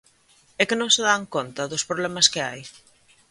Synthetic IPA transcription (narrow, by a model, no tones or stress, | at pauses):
ɛkɪnõŋseðaŋkont̪ɐðʊspɾoβlɛmɐskɪa̰j